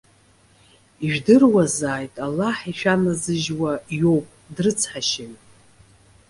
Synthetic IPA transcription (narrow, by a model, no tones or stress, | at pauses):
iʒᶣdɨrwazaːjtʼalːaħiʃᶣanazɨʒwajo̞wpʼdrɨt͡sʰħaʃɪɥ